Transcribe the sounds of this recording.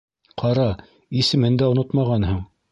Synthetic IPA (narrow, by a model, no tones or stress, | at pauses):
qʰɑɾɑ | isɘ̆mɘnd̪æŏnot̪mɑʁɑnɦɤɴ